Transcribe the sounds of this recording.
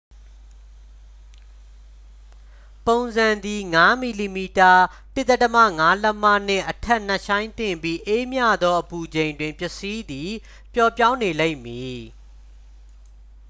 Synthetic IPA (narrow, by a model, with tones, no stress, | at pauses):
põ˨ʊ̃nzã˨nd̪i˨ŋa˦mi˨li˨mi˨ta˨ | tɪ˦˨t̪ɛ˦˨tə˦mä̰˦˨ŋa˦lə˦ma̰˦˨n̥ɪ̰̃˦˨ʔətʰɛ˦ʔn̥ə˦˨ʔʃʰã˦ɪ̃nt̪ɪ̃˨mbi˦ʔe˦mja̰˦˨d̪ɔ˦ʔəpu˨d͡ʑẽ˨ɪ̃ndwɪ̃˨mpjɪ˨si˦d̪i˨ | pjɔ˨pjã˦ʊ̃ne˨le˦ɪ̃˨mji˨